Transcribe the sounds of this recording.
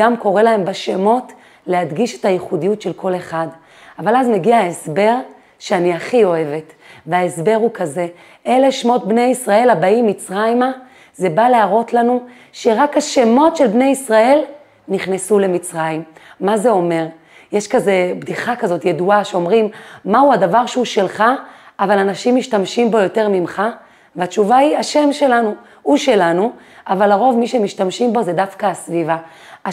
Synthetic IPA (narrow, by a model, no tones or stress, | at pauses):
amko̞ʁelae̞mbaʃemo̞t | lehadɡiʃe̞̥tajiχudijutʃe̞lko̞le̞χad | avalazme̞ɡiaesbe̞ʁ | ʃeaniaχio̞e̞ve̞tveaesbe̞ʁukaze̞ | ʔelefʃmo̞t̪̚bnejisʁae̞labaimit͡sʁajma | ze̞baleaʁo̞tlanu | ʃeʁakhaʃe̞mo̞tʃelbne̞jisʁae̞l | niχnesule̞mit͡sʁajimːaze̞o̞me̞ʁ | jeʃkaze̞bd̪iχakazo̞tje̞duaʃeo̞mʁimmauadavaʁʃeuʃe̞lχaavalanaʃimːiʃtamʃimbo̞jo̞te̞ʁmimχa | veat͡ʃuvaiaʃe̞mʃe̞lanu | uʃe̞lanu | ʔavalaʁo̞vmiʃemiʃtamʃimbo̞ze̞dafkaasviva